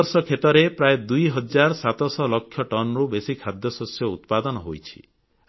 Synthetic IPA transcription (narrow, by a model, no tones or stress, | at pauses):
ɾsɔkʰet̪ɔɾepɾajed̪ujɦɔd͡ʒaɾɔsat̪ɔsɔlɔkʰːjɔʈɔnɔɾubesikʰad̪jɔsosjɔṵt̪̚pad̪ɔnɔɦojt͡ʃʰi̥̰